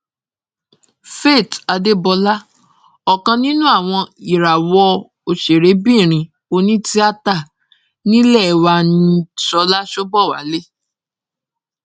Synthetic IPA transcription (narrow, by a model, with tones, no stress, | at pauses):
fe˦˨ta˧de˦bɔ˧la˦ | ɔ˨kã˧nĩ˦nũ˦a˦˨w̃ɔ̃˧i˨ɾa˨wɔ˧ | o˨ʃe˨ɾe˨˦bĩ˦˨ɾ̃ĩ˧ | o˧nĩ˦ti˦a˦ta˦˨ | nĩ˦lɛ˦˨wa˧nĩ˧sɔ˧˦la˦ʃo˦bɔ˦˨wa̰˨˦le˦